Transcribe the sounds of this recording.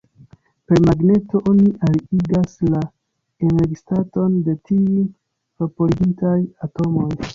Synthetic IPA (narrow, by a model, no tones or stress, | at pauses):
pe̞ɾmaɡne̞to̞ʔo̞niʔaɾiiɡasla | ene̞ɾɡistato̞nde̞tiun | vapo̞ɾiɡintajato̞mo̞j